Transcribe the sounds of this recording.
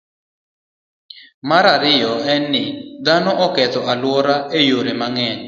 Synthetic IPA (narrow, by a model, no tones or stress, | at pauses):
maɾaɾɪjɔɛnːɪd̪anɔʔɔkɛt̪ɔʔalwɔɾaejoɾemaŋɛn